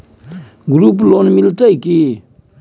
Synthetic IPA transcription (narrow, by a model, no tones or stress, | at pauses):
ɡuɾup̬lonmiltajki